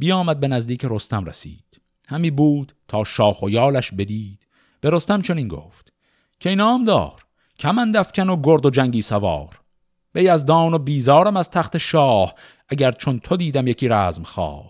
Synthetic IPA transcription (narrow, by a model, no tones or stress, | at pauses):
b̥ijɒːmæd̪̚be̞næzd̪iːcʰeɾo̞st̪æmɾḛsḭːd̪̥ | hæmiːbuːd̪̥t̪ʰɒːʃɒːxojɒːlæʃbe̞d̪iːd̪̥ | b̥e̞ɾost̪æmt͡ʃʰo̞niːnɡo̰ːft̪ | kʲʰeinɒːmd̪ɒ̰ːɾ | cʲʰæmænd̪æfcʲʰænoɡoɾd̪od͡ʒæŋɟiːsævɒ̰ːɾ | b̥e̞jæzd̪ɒːnobiːzɒːɾæmæz̥t̪ʰæxt̪e̞ʃɒːh | ʔæɟæɾt͡ʃʰo̞nt̪ʰod̪iːd̪æmjecʰiːɾæːzmxɒ̰ː